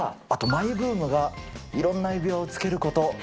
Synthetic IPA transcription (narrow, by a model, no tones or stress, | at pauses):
at̪o̞maibɯ̟ːmɯ̟ɡaiɾõ̞nːaibʲjo̞ːt͡sɨ̥ke̞ɾɯ̟ko̞t̪o̞